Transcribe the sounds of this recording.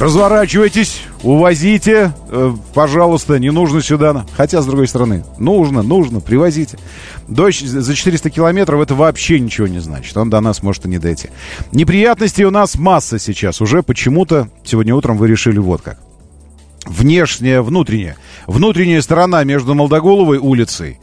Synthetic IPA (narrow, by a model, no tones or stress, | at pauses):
rəzvɐɾat͡ɕɪvəjtʲɪsʲ | ʊvɐzʲitʲɪ | pɐʐalˠʊst̪ənʲɪnuʐnəsʲʊd̪anəxɐtʲazd̪ɾʊɡo̞jst̪əɾɐnɨ̰nuʐnənuʐnəpɾʲɪvɐzʲitʲɪ̥ | d̪ozət͡ɕɪ̥t̪ɨɾʲɪst̪əkʲɪlˠɐmʲe̞t̪ɾəfɛt̪əvɐːpɕːenʲɪt͡ɕɪvonʲɪzna̰t͡ɕɪ̥t̪o̞nd̪ɐnasmo̞ʐɨt̪ɨnʲɪd̪ɐjtʲḭnʲɪpɾʲɪjat̪nəsʲtʲɪjʊnasmasːəsʲɪt͡ɕasʊʐɛpət͡ɕɪmut̪əsʲɪvo̞dʲnʲəut̪ɾəmvɨɾʲɪʂɨlʲɪvo̞̰t̪̚ka̰k̚ | vnʲe̞ʂnʲɪjəvnut̪ɾʲɪnʲɪ̰jə̰vnut̪ɾʲɪnʲɪjəst̪əɾɐnamʲe̞ʐd̪ʊməlˠd̪ɐɡo̞lˠəvəjulʲɪt̪sɨ̰j